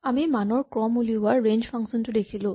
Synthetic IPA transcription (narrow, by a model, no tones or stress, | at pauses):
amimanɔɹkɹɔmuliɦʊaɹːend͡ʒpʰaŋksɔntudekʰilũ